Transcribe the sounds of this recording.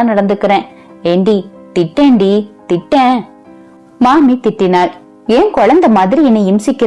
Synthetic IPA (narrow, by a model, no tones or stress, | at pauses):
aːnɐɽɐnd̪ɯkːɪɾẽː | eɳɖi | t̪ɪʈːeːɳɖit̪ɪʈːɛ̃ | maːmit̪ɪʈːɪnaːɭ | eːnkɔɻɐnd̪ɐmaːðɪɾiɛnːɐɪmsɪkːɪ